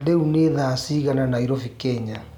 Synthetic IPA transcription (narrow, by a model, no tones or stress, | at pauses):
deuneːðaːsiːɣananaiɾofikɛɲa